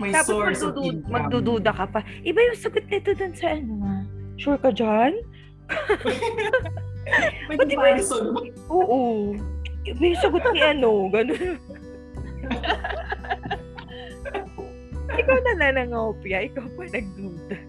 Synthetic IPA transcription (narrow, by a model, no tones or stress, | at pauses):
mɐt̪aːpɐmɐɡd̪ud̪uːmɐɡ̚d̪uːd̪uːd̪ɐkɐpɐʔɪbajʊŋsɐɡot̪̚nɐɪt̪od̪ʊnsɐʔɐnoŋɐʃuɹkɐd͡ʒan | bɐt̪ɪba | ʔoːʔo | ʔɪbajʊŋsɐɡot̪̚nɪʔɐno̞ɡɐnon | ʔɪkawnɐnanɐŋɐpɪjɐʔɪkawpɐnɐɡ̚d̪uːd̪ɐ